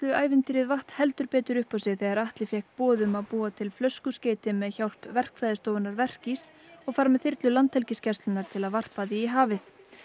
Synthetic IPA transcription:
t̪lʏaːjvɪnt̪ɪɾɪðvaht̪hɛlt̪ʏɾpɛːt̪ʏɾʏhpawsɪɣθɛɣaɾaht̪lɪfjɛhkt̪pɔːðʏmaðpuːat̪ʰɪlflœskʏskceːjt̪ɪmɛðçawl̥pvɛr̥kfɾajðɪst̪oːwvɪnaɾvɛr̥cis | ɔɣfaɾmɛðθɪɾt̪lʏlant̪ʰɛlcɪscɛst̪lʏnaɾ̥t̪ʰɪlaðvar̥paðiːɦaːvɪθ

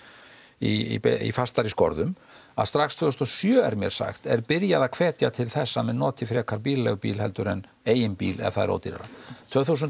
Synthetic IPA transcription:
iḭfast̪aɾiskɔ̰ɾðʏm | a̰ðst̪ɾakst̪v̥ɛst̪ɔsjœːɛ̰ɾmjɛ̰ɾ̥sa̰xt̪ɛɾpɪɾjaðakʰv̥ɛːt̪jat̪ʰɪlθɛsːamɛðnɔːt̪ʰɪfɾɛːkʰaɾpiːllɛ̰ɣpḭːlhɛlt̪ʏɾɛn | eːjɪnpiːlɛ̰ɣaθaðɛ̰ɾo̰wt̪iɾa̰ɾa̰t̪ʰv̥œːθusʏnt̪

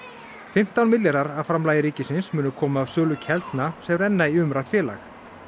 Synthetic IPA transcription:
fɪm̥t̪awnmɪljɛɾaɾafɾamlajɪɾiːcɪsɪnsmʏːnʏkʰɔːmaːvsœːlʏcʰɛlt̪nasɛmɾɛnːaiʏmɾajt̪fjɛːla̰x

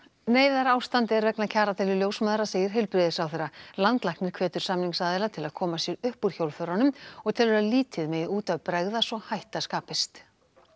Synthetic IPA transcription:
neːjðaɾaːwst̪ant̪ɛɾvɛknacʰaːɾat̪ʰɪlɪljowsmaːðɾaseːjɪɾ̥ɦɪlpɾɪðɪsawθejɾrːalant̪lahknɪɾ̥kʰvɛːt̪ʏɾ̥samniŋsaðɪlat̪ʰɪlaðkʰɔːmasjɛɾʏhpuɾ̥çowlfœɾanʏmɔɣt̪ʰɪlvɛɾaliːt̪ʰɪðmɛjuːt̪avpɾɛɣðasɔɣhajht̪askaːpɪst̪

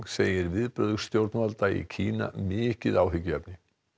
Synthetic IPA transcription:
seːjɪɾvɪðpɾœðʏɣst̪jowɾt̪nmalt̪aḭcʰiːna̰mɪːcɪðaːwɦʏcːʏɛpnɪ

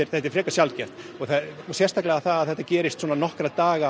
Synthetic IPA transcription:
ɪɾθɛt̪ːɪɾfɾɛːkḁsjalt̪cɛ̥t̪ɔɣθasjɛrst̪ʰaklɛɣaθaðaðθɛht̪ːacɛːɾɪst̪swɔnanɔhkɾat̪aːɣa

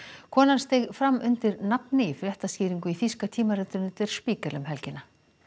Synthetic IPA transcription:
kʰɔːnanst̪ejɣfɾamːʔʏnt̪ɪɾnapnɪifɾjɛht̪asciːɾiŋkʏiθiskat̪ʰiːmaɾɛt̪ːʏnːʏt̪ɛɾ̥spiːkɛlʏmɦɛlcɪnːa

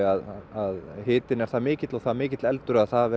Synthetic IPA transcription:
aðaðhɪːt̪ɪnɛɾθaðmɪːcɪt̪lɔɣθaðmɪːcɪt̪lɛlt̪ʏɾʏaðθaðv

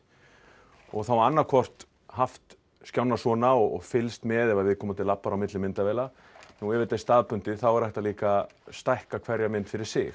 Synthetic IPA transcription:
ɔɣθawanːaɾkʰɔr̥t̪ | haft̪ | skjawnasɔːnaɔɣɔɣfɪlst̪mɛðɛvaðvɪðkʰɔːmat̪ʰɪlapːaɾawmɪt̪lɪmɪnt̪avɛːla | nuɛvɪt̪ɛst̪aːðpʏn̥t̪ɪθawɛɾɛht̪aliːkast̪ajhkakʰvɛɾjamɪnt̪fɪɾɪɾ̥sɪ̰x

